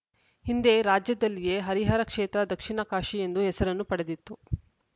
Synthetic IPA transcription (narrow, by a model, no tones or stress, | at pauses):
hind̪e̞ɾaːd͡ʒjɐd̪ɐlːije̞ɦɐɾiɦaːɾɐkʂeːt̪ɾɐd̪ɐkʂiɳɐkaːʂie̞nd̪uɦɛsɐɾɐnːupɐɽed̪it̪ːu